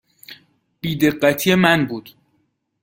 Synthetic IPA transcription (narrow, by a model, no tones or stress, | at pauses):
b̥iːd̪e̞ɢːæt̪ʰijemænbuːd̪̥